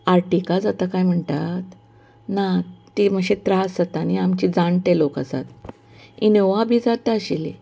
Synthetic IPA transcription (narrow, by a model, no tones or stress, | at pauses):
aɾʈikad͡zat̪akajm̤əɳt̪at̪ | nat̪im̤əɕet̪ɾasd͡zat̪aniamt͡ɕid͡zãɳʈ̪eloka̰sa̰t̪̚ | ineʋabʱiːd͡zat̪aəɕilḛ